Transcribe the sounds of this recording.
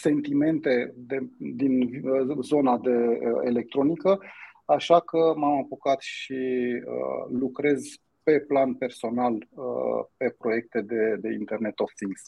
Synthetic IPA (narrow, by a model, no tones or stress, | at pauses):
se̞nt̪ime̞nt̪e̞d̪ed̪inzo̞nad̪e̞əelek̚t̪ɾo̞nikəaʃakəmamapokat̪ʃiə̰lukɾe̞z | pe̞planpe̞rso̞nalə̰pe̞pɾo̞je̞k̚t̪e̞d̪e̞d̪e̞ḭnt̪e̞rne̞t̪offiŋɡs